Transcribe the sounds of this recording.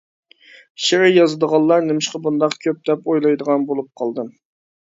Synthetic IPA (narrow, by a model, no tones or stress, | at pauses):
ʃɪɾɪjɑzɨd̪əʁɑlˠːɑɾnɪmɪʃqɑbund̪ɑqkʲʰøp̚d̪̥ɛpojlˠɑjd̪əʁɑnbolˠup̚qʰɑlˠd̪ɨm